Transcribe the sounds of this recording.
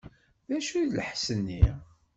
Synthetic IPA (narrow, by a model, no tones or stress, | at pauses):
ðæʃuðləħsənːi